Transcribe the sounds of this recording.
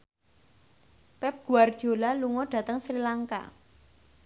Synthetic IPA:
pɛp̚ɡ̥ṳard̥ʒ̥o̤laluŋɔɖ̥ä̤t̪əŋsɾilaŋka̰

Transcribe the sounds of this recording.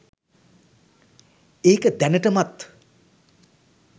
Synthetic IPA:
eːkəd̪ænəʈəmat̪

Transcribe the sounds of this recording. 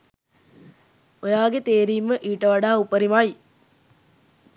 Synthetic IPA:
ojaːɡet̪eːɾiːməʔiːʈəʋaɖaːupəɾimaj

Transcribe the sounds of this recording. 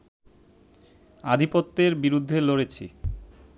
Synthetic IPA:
ad̪ʱipot̪ːeɾbiɾud̪ʱːeloɽet͡ɕʰḭ

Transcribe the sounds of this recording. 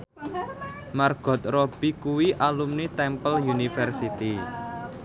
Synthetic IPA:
marɡ̥ɔ̤t̪̚rɔb̥i̤kuwiʔalumnit̪ɛmpəljunifɛrsit̪i

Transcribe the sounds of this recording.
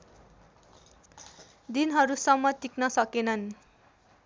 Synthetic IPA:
d̪inɦʌɾusʌmːʌt̪iknʌsʌkenʌn

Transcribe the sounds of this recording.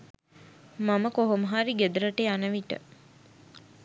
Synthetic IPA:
maməkoɦoməɦaɾiɡed̪əɾəʈeanəʋiʈə̰

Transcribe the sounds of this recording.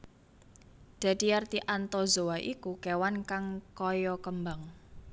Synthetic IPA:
d̪̥ä̤d̪̥i̤jart̪iʔant̪ɔzoaʔikukɛwankaŋkɔjɔkəmbaŋ

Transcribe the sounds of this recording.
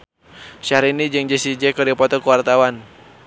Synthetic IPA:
ʃaɾinid͡ʒəŋd͡ʒɛsid͡ʒɛkɔdipɔt̪ɔkuwart̪awan

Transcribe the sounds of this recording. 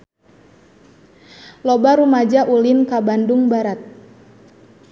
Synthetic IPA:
lɔbaɾumad͡ʒaʔulinkabanduŋbaɾat̪̚

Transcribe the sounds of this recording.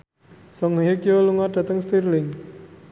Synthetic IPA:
sɔŋjekjoluŋad̥a̤t̪əŋst̪irlɪŋ

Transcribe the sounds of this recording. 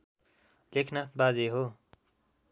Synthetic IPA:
lekʰnat̪̚ʰbad͡zeɦo

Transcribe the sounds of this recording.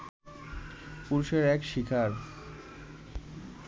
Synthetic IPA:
puɾuʃeɾɛkʃikʰaɾ

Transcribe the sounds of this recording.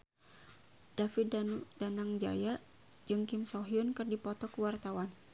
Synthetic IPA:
d̥afɪaudanaŋd͡ʒa̰ja | d͡ʒɨŋkɪmsoɦiʊnkɨrdipɔt̪ɔkəwart̪awan

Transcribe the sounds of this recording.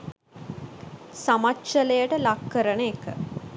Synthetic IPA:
samatːʃəlejəʈəlakːəɾənəːkə

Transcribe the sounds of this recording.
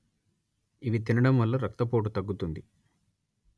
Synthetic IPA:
iʋit̪inɐɽɐmʋɐlːɐɾɐk̚t̪ɐpo̞ːʈ̬ut̪ɐɡːut̪und̪i

